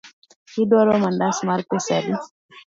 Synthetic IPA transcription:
kidɔɾɔmandasmaɾkɛsadi

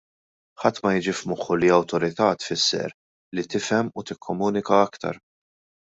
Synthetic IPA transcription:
ħɐt̪ːmɐjɪd͡ʒɪfmʊħʊliɐwt̪ɔɾɪt̪ɐt̪fɪsːɛ̰ɾ | lit̪ɪfɛmːut̪ɪkʰːɔmuːnɪkɐɐkt̪ɐ̰ɾ

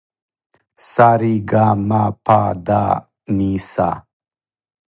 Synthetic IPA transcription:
saɾiɡaːmapʰaːd̪aː | nisa̰

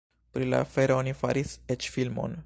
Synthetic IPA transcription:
pɾila̰feɾonifa̰ɾiset͡ʃfilmo̰n

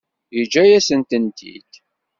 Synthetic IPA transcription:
jəd͡ʒːæjæsənt̪ənt̪ḭd̪̥

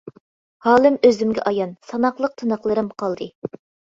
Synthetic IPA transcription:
hɑːlˠɨmøzymɡʲɛ̰ʔɑjɑnsɑnɑqlˠəq̚t̪ʰɨnɑχlˠɨɾɨmqʰɑlˠd̪ɨ

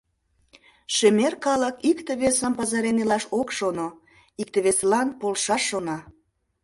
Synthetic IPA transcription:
ʃemerkɑləkikt̪eβesəmpɑzɑɾenelɑʃokʃono | ik̚t̪eβeslɑnpolʃɑʃːonɑ

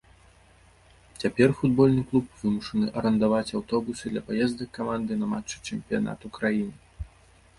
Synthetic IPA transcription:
t͡sʲapʲɛrfud̪bɔlʲnɨklˠup̚vɨmuʂɐnɨʔɐɾɐnd̪avat͡sʲawt̪ɔbusɨd̪lʲɐpajɛzd̪ɐkːamand̪ɨnɐmat͡ʂːɨ̥t͡ʂɛmpʲija̰na̰t̪ukɾajinɨ

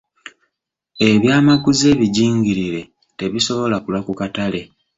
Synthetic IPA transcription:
e̞βjaːmaɡuze̞ːβiɟiːɲɡiɾiɾe̞ | te̞βiso̞βo̞lakulakukatale̞

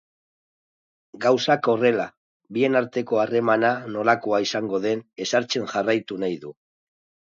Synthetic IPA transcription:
ɡawsako̞re̞la | bie̞naɾt̪e̞ko̞are̞manano̞lako̞aisaŋɡo̞ðe̞ne̞saɾt͡se̞nʝarajt̪unajðu

